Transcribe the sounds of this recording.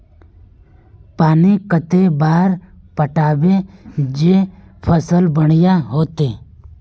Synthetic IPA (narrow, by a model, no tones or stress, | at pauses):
paːnikət̪ebaːɾ | pəʈaːbed͡ʒeːpʰəsəlbəɽ̃ɪjaɦoːt̪eː